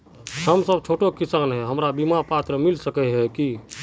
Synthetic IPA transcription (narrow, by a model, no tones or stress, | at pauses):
həmsəbt͡ʃʰoʈokisanɦɛɦəmɾabimapat̪ɾəmilsəkɛɦɛki